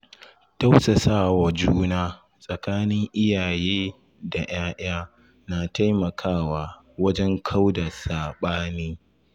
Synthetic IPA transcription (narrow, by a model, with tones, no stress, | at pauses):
ta˦wsɐ˨saː˦˨wa˨d͡ʒuː˦naː˦ | sʼɐ˨kaː˦nɪ˦ŋʔɪ˦jaː˨jeː˦ | da˨j̰aː˦ʔj̰aː˦ | na˨ta˦jmɐ˨kʰaː˦˨waː˨ | wɐ˦d͡ʒɛ˦ŋkʰa˦wda˨saː˨ɓaː˦niː˦